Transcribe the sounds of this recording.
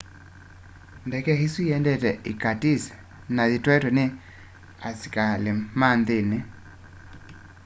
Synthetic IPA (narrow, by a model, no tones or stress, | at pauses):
ndɛkɛhisiɛndɛtɛikatis | naðitwɛtɔne | asi̥kalemandɪne